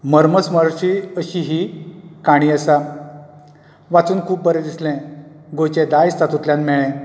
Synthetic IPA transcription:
məɾməsməɾt͡ɕiːəɕiːɦiːkaɽ̃iːəsa | ʋat͡suːnkʰuːpbəɾed̪islɛ̃ | ɡojt͡ɕẽd̪ajst̪ʰat̪ut̪ljãnmɛɭɛ̃

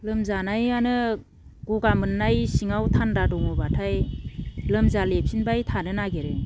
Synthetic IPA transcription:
lɯmzanajanɯ | ɡ̥ɔɡamɯnːajsiŋawtʰandadɔŋɔbatʰaj | lɯmzalepʰsinbajtʰanɯnaɡeɾɯ

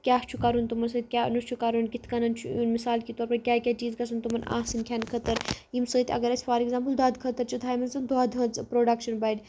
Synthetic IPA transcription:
kʲaːst͡ʃʰukɐɾunt̪umɐnsɨːt̪̚ʲkʲaːnut͡ʃʰukaɾunkit̪ʰkɐnɐnt͡ʃʰuunmisaːlkit̪oːɾpɐɾkʲaːkʲat͡ʃiːzkɐsɐnt̪umɐnã̰ːsinkʲʰaːnkʰɐt̪ɐɾjimsəːt̪ʲɐ̰ɡɐɾɐsʲfaːɾekzaːmpəld̪aːd̪kʰət̪ɐɾt͡ʃʰut̪ʰaːjmɐnsɨnd̪aːd̪ɦɐt͡spɾoːɖɐkʃɐnbɐiɖʲ

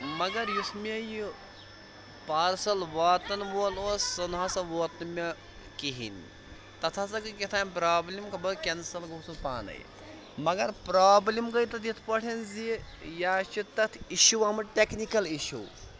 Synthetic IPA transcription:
mɐɡɐɾjusmeji | paːɾsɐlʋaːt̪ɐnʋoːloːsɐnɦasɐʋoːt̪mʲɐ | kiɦḭn | t̪ɐt̪ʰasɐkɨkʲit̪ʰaːnʲpɾaːblʲimkʰɐbɐkʲensɐlɡosupaːnɐ̰j̰ | mɐɡɐɾpɾaːblʲimɡɐjt̪ɐt̪it̪ʰpɐʈʰɐnzijaːt͡ʃʰit̪ːɐt̪ʰiʃuʋɐmɨʈeknikɐliʃṵ

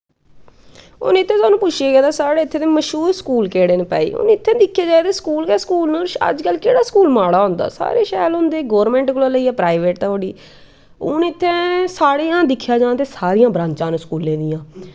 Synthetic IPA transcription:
ʊ̰nːɪt̪ʰːẽːt̪waːnũːpʊt͡ʃʰeːɡɛːd̪aːsaːɽeːɪt̪ʰːeːt̪eːməʃɦuːɾskuːlkeːɽeːnepɛ̰ːḭːʊ̰nːɪt̪ʰːẽːd̪ɪkʰːjeːd͡ʒaːeːt̪eːskuːlkɛskuːlnõːə̰d͡ʒkəlkeːɽaːskuːlmaːɽaːɦʊ̃nd̪a̰ːsa̰ːɾeːʃɛːlɦʊ̃nd̪eːɡɔːɾmɛ̃ːɳʈɡloːləiːɛːpɾaːiʋeːʈ̚t̪aːoɽiː | ʊ̰nːɪt̪ʰːẽːsaːɽeːãːd̪ɪkʰːjaːd͡ʒãːnaːt̪eːsaːɾijãːbɾãːɲt͡ʃãːnːskuːlːẽːd̪ɪjãː

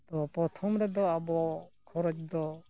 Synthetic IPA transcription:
t̪ɔpɾɔt̪ʰɔmɾɛd̪ɔabɔkʰɔɾɔt͡ʃd̪ɔ

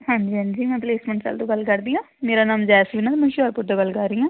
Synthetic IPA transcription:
hãːɲd͡ʒiːɦə̃ɲd͡ʒiːmɛ̃ːpleːsmə̃ɳʈt͡ʃə̰lt̪õːɡəlkəɾd̪iːãːmeːɾaːnaːmd͡ʒɛːsliːnaːt̪ːmɛ̃ːʃɔːɾpʊɾd̪aːɡəlkəɾiːãː

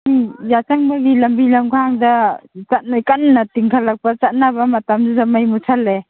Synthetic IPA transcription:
jat͡ʃaŋbaɡilɐmbilamkʰaŋdat͡ʃat̚najkannatiŋkʰalak̚pat͡ʃat̚nabamɐtamd͡ʒuzamajmut͡ʃʰalːe

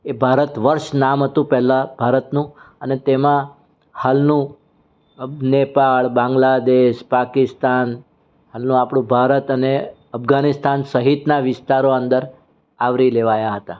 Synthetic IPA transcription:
ebʱaɾət̪ʋəɾʃnamɦət̪ũpɛɦlãb̥ʱaɾət̪nũənet̪emã | halnũ | nepaɭbãŋɡlad̪eʃpakɪst̪an | halnũapɽ̃ũbʱaɾət̪əne | əpʰɡanɪst̪ansəɦit̪naʋɪst̪aɾoə̃nd̪əɾ | aʋɾileʋajaɦət̪a

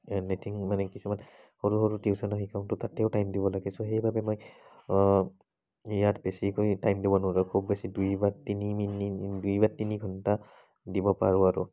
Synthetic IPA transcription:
netʰiŋmanɛkisuman | hoɹuɦoɹutiusɔnɔɦikʰaʊntʊtatɛʊtajmdibɔlaɡɛsɔɦejbabɛmoj | jatbesikojtajmdibɔnɔlakʰubːesidujbaɹtiniminidujbaɹtiniɡʱɔnta | dibɔpa̰ɹʊaɹʊ̰

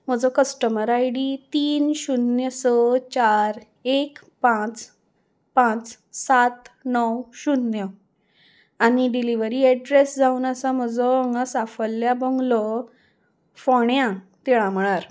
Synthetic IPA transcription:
m̤əd͡zɔkəsʈəməɾajɽit̪iːnɕunjəsɔt͡ɕaɾ | ek | pãt͡s | pãt͡s | sat̪nɔwɕunːjə | aniɖiliʋəɾiːɛɖɾesd͡zaunəsam̤əd͡zɔŋɡasafəlːjabɔŋɡlɔ | fɔɳjãt̪ɛɭãm̤əɭ̃aɾ

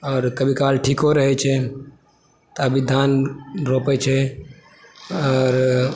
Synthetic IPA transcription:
ɔːɾkəbʱikaːlʈʰiːkoɾəɦɛt͡ʃʰɛ | t̪oəbʱid̪ʱaːnɾoːpɛt͡ʃʰɛ | ɔːɾ

